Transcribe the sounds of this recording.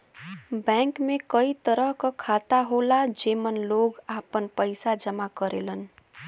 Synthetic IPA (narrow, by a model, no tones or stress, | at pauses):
bɛ̃ŋkmekəit̪əɾəɦkəkʰat̪aɦolad͡ʒemənloɡapənpəjsad͡ʒəmakəɾelən